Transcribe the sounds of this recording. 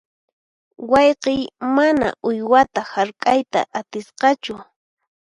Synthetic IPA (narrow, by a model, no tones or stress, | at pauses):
wɑjqejmana̰ʔʊjwat̪ahaɾkʼajt̪a̰ʔat̪ɪsqɑt͡ʃʊ